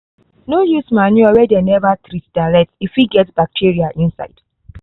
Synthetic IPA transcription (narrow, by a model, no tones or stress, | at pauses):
nojusmanuɔwɛdenɛvatɾitd̥alɛtifiɡɛtbak̚tʰiɹiaʔĩnsa̰ɪd̥